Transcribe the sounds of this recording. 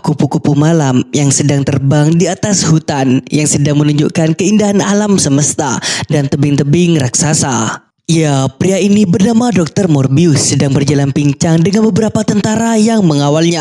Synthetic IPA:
kupukupumalamjaŋsədaŋt̪ərbaŋdiat̪ashut̪anjaŋsədaŋmənuɲd͡ʒukankəindaɦanalamsəməst̪a̰dant̪əbɪŋt̪əbɪŋraksasa | ijapɾiainibərnamadɔk̚t̪ərmɔrbiʊsːədaŋbərd͡ʒalanpiɲt͡ʃaŋdəŋanbəbəɾapat̪ənt̪aɾajaŋməŋawalɲa

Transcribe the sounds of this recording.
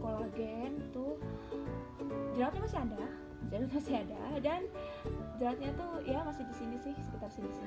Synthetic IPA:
kolaɡɛnt̪uh | d͡ʒəɾaat̪̚ɲamasiada | d͡ʒɾawat̪̚masiadadan | d͡ʒɾawat̪̚ɲat̪ujamasɪhdisinisɪhsəkit̪arsinisɪ

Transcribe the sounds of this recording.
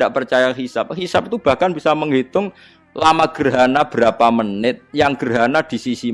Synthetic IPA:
aʔpərt͡ʃajaɦisap̚hisap̚it̪ub̥a̤hkanbisaməŋɦit̪ʊŋ | lamaɡ̥ərɦanab̥əɾapamənɪt̪̚jaŋɡ̥ərɦanad̪̥i̤sisi

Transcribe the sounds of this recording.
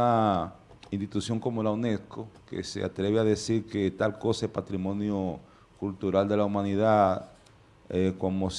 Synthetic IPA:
a | inst̪it̪usjo̞ŋko̞mo̞launeskokḛsḛa̰t̪ɾe̞βeaðe̞siɾket̪alko̞saepat̪ɾimo̞njo | kult̪uɾald̪e̞laumaniðað | ekwamos

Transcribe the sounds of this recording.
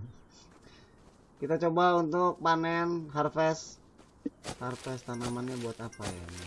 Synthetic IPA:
kit̪at͡ʃobaunt̪ʊk̚panɛnɦarfɛs | harfɛst̪anamanɲabuat̪apaja̰

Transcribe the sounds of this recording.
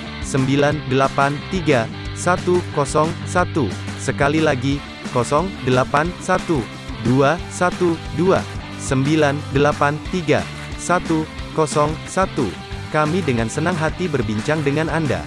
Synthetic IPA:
səmbilandəlapant̪iɡa | sat̪ukɔsɔŋsat̪usəkalilaɡi | kɔsɔŋdəlapansat̪u | duasat̪udua̰ | səmbilandəlapant̪iɡa̰ | sat̪ukɔsɔŋsat̪ṵ | kamidəŋansənaŋɦat̪ibərbiɲt͡ʃaŋdəŋananda̰

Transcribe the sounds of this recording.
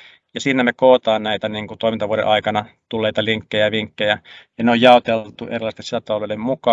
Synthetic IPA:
jɑsiːnæmekoːt̪ɑːnnæit̪æniŋkut̪oˑimint̪ɑʋuoɾḛʔɑikɑnɑt̪ulːeit̪ɑliŋkːejæʋiŋkːejæjɑneojjɑˑot̪elt̪uʔerilːˑɑˑst̪esisæt̪ɑloʋelːemmukɑ

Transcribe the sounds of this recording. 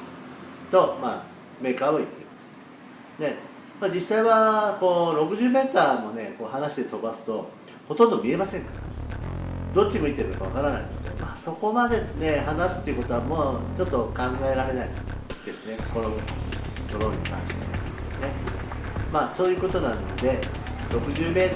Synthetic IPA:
t̪o̞ma̰ː | me̞ːkaːoit̪ːe̞imasɨ̥ | ne̞ | maːd͡ʑisːaiβako̞ːɾo̞kɯ̟ʑɨːme̞ːt̪aːmo̞ne̞ko̞ːhanaɕi̥d̪e̞t̪o̞basɨ̥t̪o̞ | ho̞t̪õ̞nd̪o̞mʲie̞masẽ̞ŋka | d̪o̞t͡ɕːimo̞it̪ːe̞ɾɯ̟nokaβ̞a̰kaɾana̰ino̞̰d̪e̞̰maːso̞ko̞mad̪e̞ne̞hanasɨ̥t̪ːeiɯ̟ko̞t̪o̞amo̞ːt͡ɕo̞t̪ːo̞kãŋɡae̞ɾaɾe̞naḭd̪̥e̞sɨne̞ko̥ko̞ɾonot̪o̞ɾo̞ɲ̟ḭt̪ã̰ɰ̃ɕi̥t̪e̞̰ | ne̞ | maːso̞ːjɯ̟ːko̞t̪o̞nãnːo̞d̪e̞ | ɾo̞kɯ̟ʑɨːme̞ː

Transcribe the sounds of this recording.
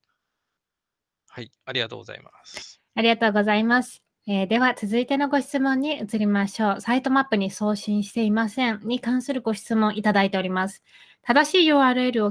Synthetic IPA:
hai | aɾʲiɡat̪oːɡo̰za̰imas | aɾʲiɡat̪o̞ːɡo̞zaimasɨ̥ | eːd̪e̞βat͡sɨzɨit̪e̞no̞ɡo̞ɕi̥t͡sɨmõ̞ɲ̟ːiɯt͡sɨɾʲimaɕo̞ːsait̪o̞mapːɯ̟ɲ̟iso̞ːɕĩɰ̃ɕi̥t̪e̞imasẽ̞nɲ̟ikãɰ̃sɨɾɯ̟ɡo̞ɕi̥t͡sɨmõ̞ɰ̃ʔit̪ad̪ait̪e̞o̞ɾʲimasɨ̥ | t̪ad̪aɕiːjɯ̟ːaːɾɯ̟e̞ɾɯ̟o

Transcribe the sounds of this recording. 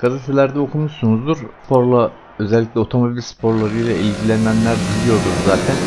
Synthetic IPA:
ɡ̥azet̪ʰɛlʲæɾd̪ɛokʰumuʃsunuzd̪uɾspʰo̞ɾlˠa | øzɛlʲːiclʲɛo̞t̪ʰo̞mobilʲspʰo̞ɾlˠaɾɯjlˠaʔilɟilʲænːænlʲæɾbilʲijo̞ɾd̪uɾzaːt̪ʰæn

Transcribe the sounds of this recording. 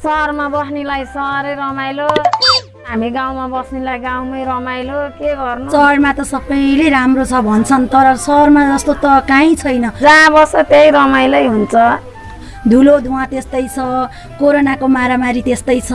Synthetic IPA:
sʌrmabʌsnilajsʌɾʌjɾʌmajlo | ɦamiɡaw̃mabʌsnilajɡaw̃mʌjɾʌmajlokeɡʌrnʌsʌɽmat̪ʌsʌbʌjleɾamrot͡sʰʌbʱʌnt͡sʰʌnt̪ʌɾʌsʌrmad͡zʌst̪ot̪ʌkãĩt͡sʰʌjnʌd͡zãbʌsʌt̪ejɾʌmajlʌjɦunt͡sʰʌ | d̪ʱulod̪ʱuwãt̪est̪ʌjt͡sʰʌ | koɾonakomaɾamaɾit̪est̪ʌjt͡sʰʌ

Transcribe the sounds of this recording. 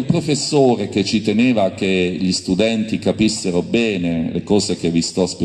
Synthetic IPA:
lpɾofesːoːɾek̟et͡ʃːit̪emeːvak̟eʎist̪ud̪ɛnt̪ikapisːeɾobɛːnelekɔːsekevːist̪ɔspe

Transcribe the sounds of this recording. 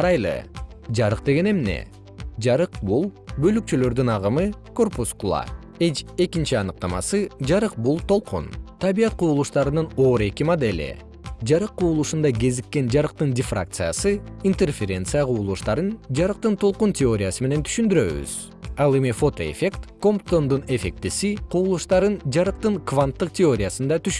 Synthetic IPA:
ɾɑjlˠɯ̰ | d͡ʒɑɾɯq̚d̪eɡe̞ne̞mne̞̰ | d͡ʒɑɾɯqbulˠbø̞lyk̚t͡ʃylø̞ɾd̪ynɑʁɯmɯko̞rpuskulˠa̰ | et͡ʃe̞kint͡ʃiɑnɯq̚t̪ɑmɑ̰sɯd͡ʒɑɾɯq̚bulˠt̪ʰo̞lˠqʰṵnt̪ʰɑβijɑt̪̚quːlˠuʃt̪ɑɾɯnɯno̞ːɾe̞kimad̪elʲḭ | d͡ʒɑɾɯqːuːlˠuʃund̪ɑɡʲe̞zikːe̞nd͡ʒɑɾɯq̚t̪ɯndʲɪfra̰k̚t̪sɨja̰sɯint̪erfʲeɾʲe̞nt̪sɨjaqʰuːlˠuʃt̪ɑɾɯnd͡ʒɑɾɯq̚t̪ɯnt̪ʰo̞lˠquntʲeo̞ɾʲɪjasɯme̞ne̞nt̪ʰy̥ʃynd̪yɾø̞̰βy̰z̥ | ɑlˠe̞mifo̞t̪o̞e̞̰fʲe̞kt̪ko̞mpt̪ond̪une̞fʲe̞k̚t̪isiqʰuːlˠuʃt̪ɑɾɯnd͡ʒɑɾɯq̚t̪ɯŋkvant̪ːɯq̚tʲeo̞ɾʲɪjasɯnd̪ɑt̪yʃ

